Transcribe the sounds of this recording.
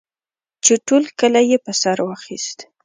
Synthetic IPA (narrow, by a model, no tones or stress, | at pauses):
t͡ʃeʈolkəlajepəsaɾwɑxist̪